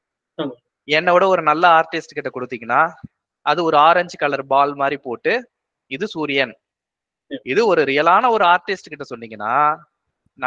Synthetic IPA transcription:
ɛnːɐʋɯɽɐɔɾɯnɐlːɐaːɾʈɪsʈkɪʈːɐkɔɽɯt̪ːiːŋɡɐnːaː | ʔɐðɯɔɾɯaːɾɐɲd͡ʒɯkɐlɐɾbaːlmaːd̪ɾipoːʈːɯ | ɪðɯsuːɾɪjɐn | ɪðɯɔɾɯɾɪjɐlaːnɐɔɾɯaːɾʈɪsʈkɪʈːɐsɔnːiŋɡɐnːa̰ː | n

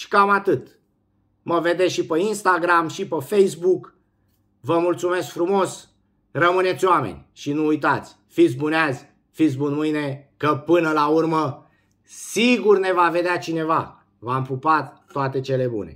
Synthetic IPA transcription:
ʃi̥kamat̪ɨt̪ | məve̞d̪eʃipeinst̪aɡɾamʃipəfejs̬buk | vəmult̪sume̞skfɾumo̞s | rəmɨne̞t̪sʲjoamḛnʲʃinuujt̪at̪sʲ | fit̪s̬ʲbuneazʲ | fit̪s̬bunmɨjnekəpɨnəlaurmə | siɡurne̞vave̞d̪eat͡ʃine̞va | vampupat̪ːoat̪e̞t͡ʃe̞le̞bṵne̞̰

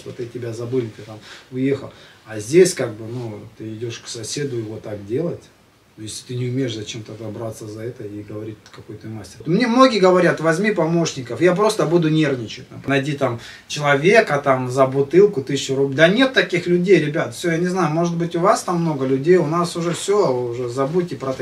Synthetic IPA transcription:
ʂt̪ot̪ɨtʲɪbʲazɐbɨlʲɪt̪ɨt̪amvɨjexə̰lˠɐzʲdʲesʲkaɡ̚bɨnut̪ɨɪdʲoʂksɐsʲe̞d̪ʊɪvot̪ak̚dʲe̞lˠətʲ | jesʲlʲɪt̪ɨnʲɪʊmʲejɪʂzɐt͡ɕe̞mt̪əd̪ɐbɾat̪səzɐɛt̪əiɡəvɐɾʲit̚ʲkɐkojt̪ojmasʲtʲɪ̥rt̪mnʲe̞mno̞ɡʲɪjəɡəvɐɾʲat̪vɐzʲmʲipɐmo̞ʂnʲɪkəfjap̬ɾo̞st̪əbud̪ʊnʲe̞rnʲɪt͡ɕɪt̚ʲnapnɐjdʲit̪am | t͡ɕɪlˠɐvʲe̞kət̪amzəbʊt̪ɨlˠkʊt̪ɨɕʊɾʊblʲd̪ənʲe̞t̪ːɐkʲixlʲʉdʲejɾʲɪbʲat̪fʲsʲojanʲɪznajʊmo̞ʐɨt̪̚bɨtʲʊvast̪amːno̞ɡəlʲʉdʲejʊnasʊʐɛfsʲoʊʐɛzɐbutʲːɪpɾɐt̪

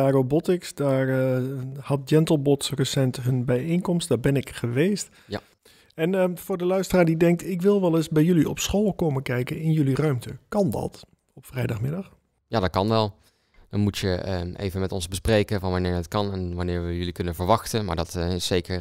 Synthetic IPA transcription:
aːɡobɔtɪksdaːɹ | hɑt̚d͡ʒɛntəl̩ˠbɔtsrəsɛntɦɵnbɛjenkɔmstd̥ɑbɛnɪkχəʋeːst | ɛnfʊːɹdəlœɥstəraːɹdidɛŋk̚tɪkʋɪlˠʋɛlˠɪsbɛjjɵliɔpsχoːlˠkoːmənkɛjkənɪnjɵlirœɥmtəkɑndɑ̰t | ɔpfrɛjdɑχmɪdɑx | jaːdɑt̚kɑnʋɛlˠ | d̥ɑnmutəʔḛjvənmɛtɔnzbəsprejkənvɑnʋɑnɪːɹətkɑnɛnʋɑnɪːɹʋəjɵlikɵnənvəɹʋɑxtənma̰ːɹdɑtɪsejkəɹ

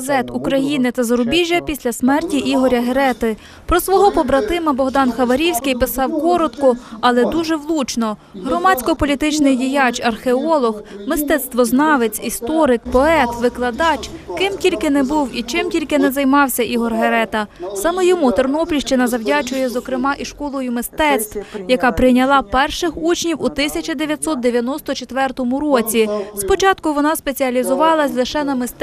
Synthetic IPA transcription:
zɛt̪ukɾɐjinɪt̪ɐzɐɾʊbʲiʒʲːɐpʲisʲlʲɐsmɛrtʲiʔiɦɔɾʲɐɦeɾɛt̪ɪ | pɾɔsʋɔɦɔpɔbɾɐt̪ɪmɐbɔɦd̪ɑnxɐʋɐɾʲiwsʲkɪjpɪsɑwkɔɾɔt̪kʊɐlˠɛd̪uʒɛwlˠut͡ʃnɔ | ɦɾɔmɑt͡sʲkɔpɔlʲit̪ɪt͡ʃnɪjdʲijɑt͡ʃɐrxeɔlˠɔɦmɪst̪ɛt̪st̪ʋɔznɑʋet͡sʲist̪ɔɾɪkpɔɛt̪ʋɪklˠɐd̪ɑt͡ʃkɪmtʲilʲkɪnɛbuwit͡ʃɪmtʲilʲkɪnɛzɐjmɑwsʲɐʔiɦɔrɦeɾɛt̪ɐsɑmɛjɔmut̪ɔrnɔplʲiʃt͡ʃɪnɐzɐwdʲɑt͡ʃʊjɛzɔkɾɪmɑʔiʃkɔlˠɔjʊmɪst̪ɛt̪st̪wjɐkɑpɾɪjnʲɐlˠɑpɛrʃɪxut͡ʃnʲiwut̪ɪsʲɐt͡ʃɐd̪eʋʲjɐt̪ʲsɔt̪̚d̪e̞ʋʲjɐnɔst̪ɔt͡ʃet̪ʋɛrt̪ɔmʊɾɔt͡sʲispɔt͡ʃɑt̪kʊʋɔnɑspe̞t͡sʲiɐlʲizʊʋɑlˠɐsʲlˠɪʃɛnɐmɪst̪

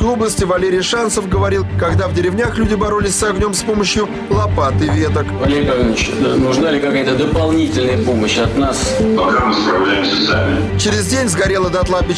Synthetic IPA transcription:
klˠubləsʲtʲɪvɐlʲeɾʲɪjʂant̪səfɡəvɐɾʲilˠkɐɡd̪avdʲɪɾʲɪvnʲaxlʲudʲɪbɐɾolʲɪsʲsɐɡnʲo̞mspo̞məɕjʊ | lˠɐpat̪ɨvʲe̞t̪əkvɐlʲeɾʲɪpɐvʲinət͡ɕ̪nʊʐnalʲɪkɐkajət̪əd̪əpɐlˠnʲitʲɪlʲnəjəpoməɕɐt̪naspɐkamɨspɾɐvlʲæjɪmsʲəsamʲɪ | t͡ɕɪɾʲɪzʲdʲenʲzɡɐɾʲe̞lˠəd̪ɐt̪lˠabʲɪ

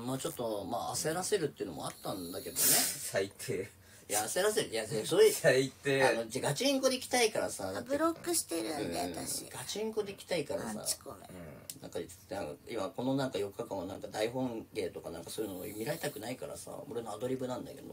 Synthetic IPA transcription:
maːt͡ɕo̞t̪ːo̞maase̞ɾase̞ɾɯt̪ːeiɯ̟no̞mo̞̰a̰t̪ːãnd̪ake̞d̪o̞ne̞sait̪ʰe | jaːse̞ɾas̬eɾɯ̟jasesoiait̪eano̞d͡ʑaɡat͡ɕiĩŋko̞d̪eikʲi̥t̪aikaɾasad̪atbɯɾokːɯ̟ɕi̥t̪eɾɯ̃nẽaɕḭɡ̥at͡ɕiĩŋko̞d̪e̞ikʲi̥t̪aikaɾa̰sa̰̥õnã̰ŋkait͡sɨ̥nãŋkaimako̞no̞nãŋkajo̞kːakãɰ̃anãŋkad̪aiɦõ̞ŋɡe̞ːt̪o̞kanã̰ŋkasoːjɯ̟noo̰imʲiɾaɾe̞t̪akɯ̟naikaɾa̰sa̰o̞ɾe̞no̞ad̪o̞ɾʲibɯ̟nãnd̪a̰ke̞̰d̪o̞

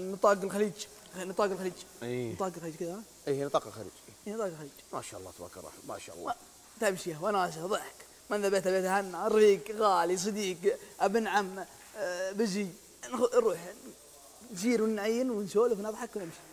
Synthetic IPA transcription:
nɨt̪ˤɑːɡɪlxaliːd͡ʒ | nɨt̪ˤɑːɡɪlxaliːd͡ʒit̪ˤɑːɡɪlxaliːd͡ʒkɪðaha | inɨt̪ˤɑːqɪlxa̰lḭːd͡ʒiːnɨt̪ˤɑːɡlxaliːd͡ʒma̰ːʃa̰ʔɑlˤːɑ̰ːt̪ba̰kɑɾˤɑ̰ma̰ʃa̰ːʔɑlˤːa | t̪amʃijawanaːʃ̬aðˤɨħk | manðabet̪ʔabet̪hanːaɾˤiːɡɣaːlis̬ˤɨd̪iːkʔabnʕamː | bɪzi | nxʊɾˤuːħ | nziːɾwnʕajːɪnwɪnsoːlfnɑðˤħɑkwnɪmʃi̥

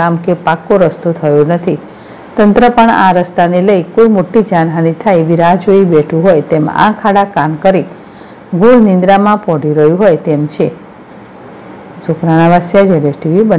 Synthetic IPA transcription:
amkepakːoɾəst̪ut̪ʰəjõnət̪ʰi | t̪ənt̪ɾəpəɳa̰ɾəst̪aneləjkoimoʈːid͡ʒanɦanit̪ʰajeʋiɾad͡ʒoibeʈʰũɦojt̪emã̰kʰaɽakamkəɾi | ɡuɾnĩnd̪ɾamãpɔɽiɾəjũɦojt̪emt͡ʃʰe | sukɾanaʋasjad͡ʒɛleʈiʋibə

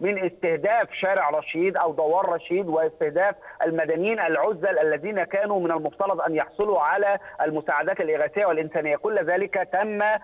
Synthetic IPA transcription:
mɪnʔɪst̪ɪhd̪æːfʃæːɾɪʕɾˤɑʃiːd̪ʔæwd̪ˤɑwɑːɾˤɑʃiːd̪wɪɪst̪ɪhd̪æːfʔælmæd̪ænjiːnʔælʕʊzːælʔælːæðiːnækæːnuːmɪnælmʊft̪ɑɾˤɑd̪ˤʔænjɑħsˤɨluːʕalæːʔælmʊsaːʕad̪æːt̪alʔɪɣæːsɪjːwalʔɪnsæːnɪjːækʊlːzæːlɪkæt̪æmːæ

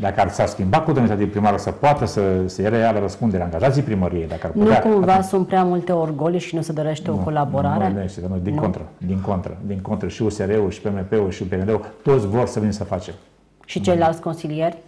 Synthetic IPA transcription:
d̪akəarsarskʲimbakot̪umit̪at̪ipɾimaɾəsəpoat̪əsəsəjeɾealəɾəspund̪eɾeaŋɡaʒat̪sijpɾiməɾiejd̪akəarpnut̪ueakumvasunt̪pɾeamult̪e̞orɡolʃinused̪o̞ɾe̞ʃt̪eo̞ko̞labo̞ɾaɾeneʃt̪et̪anud̪iŋkont̪ɾəd̪iŋko̞nt̪ɾə̰d̪iŋkont̪ɾəʃiuseɾeuʃi̥pemepeuʃiupeeɾeut̪o̞t̪sʲvo̞rsəvinsəfat͡ʃem | ʃit͡ʃejlalt̪sʲko̞nsilijerʲ

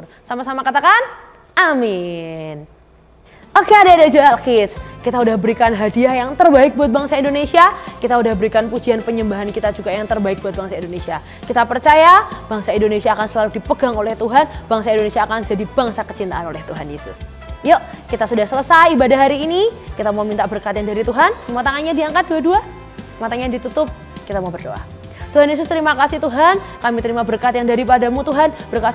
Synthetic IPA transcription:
samasamakat̪akan | amɪn | ʔokeadaːdad͡ʒaalkɪt̪skit̪audahbəɾikanɦadiahjaŋt̪ərbaɪk̚buat̪̚baŋsaindonesiakit̪audahbəɾikanpud͡ʒianpəɲəmbaɦankit̪ad͡ʒuɡajaŋt̪ərbaɪk̚buat̪̚baŋsaindonesia | kit̪apərt͡ʃajab̥aŋsaindonesiaːkansəlaludipəɡaŋolɛht̪uɦanb̥aŋsaindonesiaːkand͡ʒadib̥aŋsakə̥t͡ʃint̪a̰ʔanolɛht̪uɦanjesʊ̰s | jaʔkit̪asudahsələsajibadaɦaɾiːnikit̪amawmint̪abərkat̪jaŋdaɾit̪uɦansəmuat̪aŋanɲadiaŋkat̪̚duadua | mat̪aɲadit̪ut̪ʊp̚ | kit̪amabərdo̰ʔa̰ | t̪uɦanjes̬ʊst̪əɾimakasiht̪uɦankamit̪əɾimabərkat̪jaŋdaɾipadamut̪uɦanb̥ərkat̪

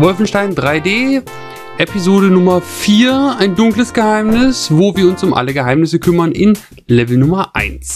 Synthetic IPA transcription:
vɔlfn̩ʃtaɪndʁaɪdeː | ʔepizoːɾənʊmɐfiːɐaɪndʊŋkləsɡ̥əhaɪmnɪsvoːviːɐʊnsʊmʔa̰ləɡəɦaɪmnɪsəkʰʏmɐnʔɪn | lɛvl̩nʊmɐʔa̰ɪns

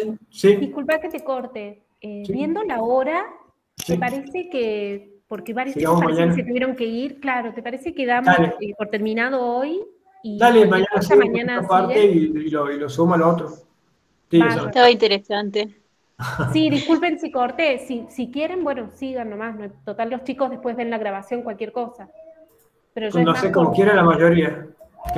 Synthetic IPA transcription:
sid̪iskulpaket̪ekoɾt̪e | eβje̞nd̪olaoɾa | t̪epaɾeseke | poɾkeβaɾjosiɣamoamaaɲansket̪uβjeɾo̞ŋke̞iɾklaɾo̞t̪epaɾesekeðamd̪aleepoɾt̪eɾmĩnað̞ooj | id̪alemaɲanasamaɲanapaɾt̪eiiloilosumoaloot̪ɾo | t̪ieasat̪aβaint̪eɾesant̪e | siðiskulpensikoɾt̪esisikjeɾembwe̞nosiɣanːomasnot̪ot̪allo̞st͡ʃikozðehpwe̞zβe̞nlaɣɾaβasjo̞ŋkwalkje̞ɾko̞sa | peɾoʒd̪asekomokjeɾalamaʒoɾia

